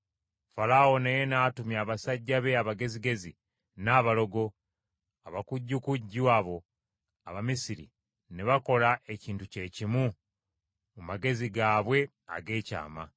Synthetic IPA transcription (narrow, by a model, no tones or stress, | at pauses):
falao̞nejenaːtumjaːβasaɟːaβe̞aβaɡe̞ziɡe̞zḭ | naːβalo̞ɡo̞ | aβakuɟːukuɟːuaβo̞ | aβamisiɾḭ | neβako̞laʔe̞ciːntuce̞cimu | mumaɡe̞ziɡaːβwe̞ | a̰ɡe̞ːca̰ːma